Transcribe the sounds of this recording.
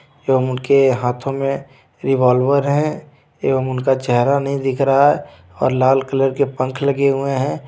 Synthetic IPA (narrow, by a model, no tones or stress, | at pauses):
eːʋəmʊnkeɦaːt̪ʰõmẽ | ɾɪʋaːlʋəɾɦɛ̃ | eːʋəmʊnkat͡ʃɛɦɾanɐɦĩd̪ɪkʰɾae | ɔ̰ːɾlaːlkələɾkepə̃ŋkʰləɡeɦʊeɦɛ̃ː